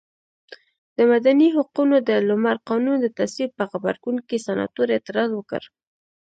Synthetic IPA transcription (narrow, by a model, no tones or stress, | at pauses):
d̪̥əmad̪aniɦʊqunod̪əlʊmaɾqɑnund̪ət̪aswib̚pəxaba̰ɾɡuŋkisanɑ̰t̪uɾet̪ɪɾɑzwəkə̰ɾ